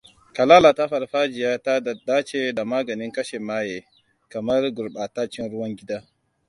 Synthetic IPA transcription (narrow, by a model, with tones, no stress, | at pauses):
ka˨laː˦la˨ta˦ɸɐ˨ɾɸa˦d͡ʒɪ˨ja˦ta˦˨daː˦t͡ʃe˦da˨maː˦ɡɐ˨nɪ˦ŋkɐ˦ʃe˨maː˦jeː˨ | kɐ˨mɐ˦ɾɡʊ˨ɾɓa˨ta˦t͡ʃɪ˦nɾʊ˦wɐ˦ŋɡʲɪ˦da˦